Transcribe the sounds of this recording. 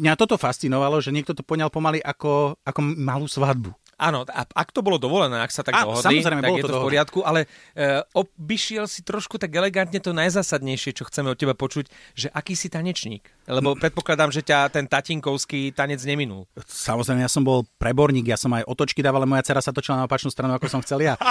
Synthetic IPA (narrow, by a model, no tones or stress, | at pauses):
mɲat̪ɔt̪ɔfast̪t͡sinɔʋalɔʒɛɲɪɛk̚t̪ɔt̪ɔ̥pɔɲalpɔmaliʔakɔakɔmaluːsʋad̪̚bu | ʔaːnɔa̰akt̪ɔbɔlɔd̪ɔʋɔlɛnɛːaksat̪aɡaːnɔɦɔdsamiɔzɾɛɪmɛt̪aɔlɔɡjɛɔɔɔpɔɾɪat̪kuʔalɛ | ɔbiʃɪɛlsit̪ɾɔʃkut̪aɡɛlɛɡant̪ɲɛt̪ɔnajzaːsad̪ɲɛjʃɪɛt͡ʃɔxt͡sɛmɛɔt̪̚cɛbapɔt͡ʃucʒɛʔakiːsit̪aɲɛt͡ʃɲḭːk | lɛbɔpɾɛt̪̚pɔklad̪aːmʒɛcat̪ɛnt̪aciŋkɔʊskit̪aɲɛd͡zɲɛminṵlsamɔzɾɛjmɛjasɔmbɔlpɾɛbɔɾɲiːɡjasɔmajʔɔt̪ɔt͡ʃkid̪aːʋalɛmɔjat͡sɛɾasat̪ɔt͡ʃilanaɔpat͡ʃnuːst̪ɾanuakɔsɔmxt͡sɛlja